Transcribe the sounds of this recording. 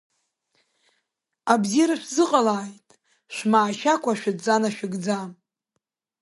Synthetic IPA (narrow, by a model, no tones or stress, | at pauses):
abzijɾaʃᶣzɨqʼalaːjtʼ | ʃʷmaːʃakʷʼaʃᶣadd͡zanaʃᶣɪɡd͡zam